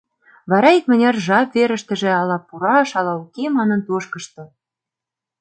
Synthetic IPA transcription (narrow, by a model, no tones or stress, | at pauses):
βɑɾɑik̚mə̆nʲɑrʒɑpveɾə̆ʃt̪ə̆ʒĕɑlɑpuɾɑʃɑlɑukemɑnə̆nt̪oʃkɤ̆ʃt̪ɤ̆